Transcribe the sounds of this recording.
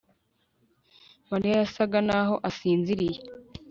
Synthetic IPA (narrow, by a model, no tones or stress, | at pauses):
maɾijajasaɡanaɦo̞ʔasiːnziɾije